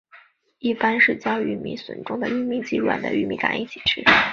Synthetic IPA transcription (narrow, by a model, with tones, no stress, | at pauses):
i˥˩pa˥nʂɻ̩˥˩t͡ɕjɑ˥ʊy˧˥mḭ˧˥swə̰˧˩nʈ͡ʂʊ˥ŋd̪ə˨y˥˧mi˥˩t͡ɕi˧˥ɻwa̰˨˩nd̪ə̰˧˦y˥˧mi˥˩ka̰˨˩ni˥˩t͡ɕʰi̥˨˩ʈ͡ʂʰɻ̩˥